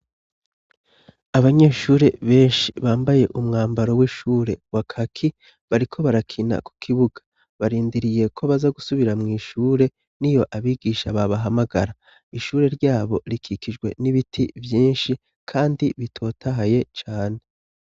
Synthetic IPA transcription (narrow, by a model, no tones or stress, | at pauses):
aβaɲe̞ːʃuːɾe̞βe̞ːnʃiβaːmbaje̞ʔumŋaːmbaɾo̞wiʃuːɾe̞wakʰakʰi | βaɾikʰo̞βaɾakʰina̰ku̥kʰiβuɡ̥ḁ | βaɾiːndiɾije̞kʰo̞βazaɡusuβiɾamŋiːʃuːɾe̞ | nijo̞ʔaβiɡiːʃaβaβaɦamaɡaɾa | iʃuːɾe̞ɾɟaːβo̞̰ɾikʰikid͡ʒɡwe̞̰niβitʰivjiːnʃi | kʰaːndiβitʰo̞ːtʰaɦaje̞t͡ʃaːne̞